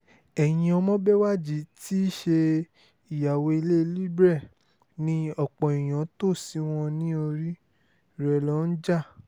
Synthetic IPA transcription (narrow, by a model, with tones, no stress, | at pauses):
ɛ˨jĩ˦ɔ˧mɔ̃˦bɛ˦wa˦˨d͡ʒi˦˨ti˦ʃe˧ | i˨ja˨we˧i˧le˦˧li˦bɾɛ˦˨ | nĩ˧˦ɔ˨k͡pɔ̃˨i˨j̃ã˨˦to˦˨si˨˦w̃ɔ̃˧nĩ˦o˧ɾi˦ | ɾɛ˨lɔ˨˦n̩˦d͡ʒa˦˨